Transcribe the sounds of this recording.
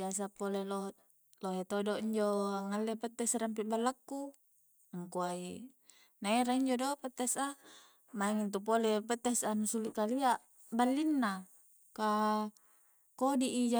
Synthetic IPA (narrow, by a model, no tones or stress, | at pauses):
asapoleloɦ | loɦet̪odoiɲd͡ʒoaŋalːepət̪ːɛsramp̬iʔbalːakːu | ŋkuai | naeɾaiɲd͡ʒodopət̪ːɛsa | maiŋint̪up̬olepət̪ːɛsanusulikaliaʔ | balːinːa | ka | kodiʔid͡ʒa